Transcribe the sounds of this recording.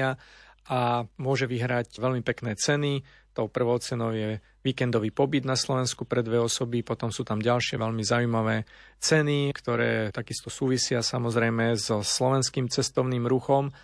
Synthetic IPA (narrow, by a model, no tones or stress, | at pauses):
aʔamʊɔʒɛʋiɦɾacʋɛlmipɛknɛːt͡sɛni | t̪ɔʊpr̩ʋɔʊt͡sɛnɔʊjɛ | ʋiːkɛnd̪ɔʋiːpɔbid̪naslɔʋɛnskupɾɛd̪ʋɛɔsɔbipɔt̪ɔmsuːt̪amɟalʃɪɛʋɛlmizaujmaʋɛː | t͡sɛnikt̪ɔɾɛːt̪aɡist̪ɔsuːʋisɪasamɔzɾɛjmɛzɔslɔʋɛnskiːmt͡sɛst̪ɔʊniːmɾuxɔm